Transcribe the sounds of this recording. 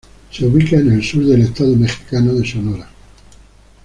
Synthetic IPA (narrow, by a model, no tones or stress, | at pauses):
seuβikaene̞lsuɾðe̞le̞st̪aðome̞xi̥kanoðe̞sono̞ɾa